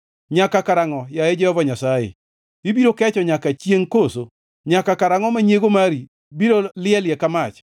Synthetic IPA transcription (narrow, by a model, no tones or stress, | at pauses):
ɲakakaɾaŋɔjajed͡ʒɛhɔvaɲasajḛ | ibiɾokɛt͡ʃɔɲakat͡ʃjeŋkoso | ɲakakaɾaŋɔmaɲeɡomaɾi | biɾolɪɛljɛkamat͡ʃ